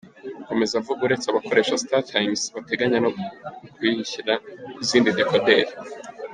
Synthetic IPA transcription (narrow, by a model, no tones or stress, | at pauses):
uko̞me̞zavuɡuɾe̞t͡saβakʰo̞ɾe̞ːʃasi̥tatʰajmsβate̞ɡaɲanokwiːhiçiɾaiziːndidekode̞ɾi